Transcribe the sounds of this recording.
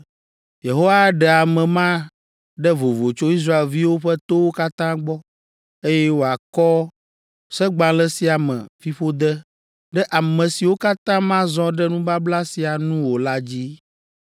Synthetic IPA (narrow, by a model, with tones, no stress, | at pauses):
je˨ɦo˦wa˦ɖɛ˨a˨mɛ̃˨mã˦ | ɖɛ˦vo˨vo˨t͡ʃo˦i˦s̬ɾa˦e˨lvi˦wo˦ɸɛ˦t̪o˦wo˦ka˦t̪ã˦ɡ͡bɔ˦ | e˦jɛ˦wo˨a˨kɔ˦ | sɛ˦ɡ͡bã˦lɛ˦si˦a˨mɛ̰̃˨fi˦ɸo˦d̪ɛ˦ | ɖɛ˦ʔa˨mɛ̃˨si˨wo˦ka˦t̪ã˦mã˦zɔ̃˦ɖɛ˦nũ˦ba˦bla˦si˨a˨nũ˦wo˨la˦d͡ʑi˦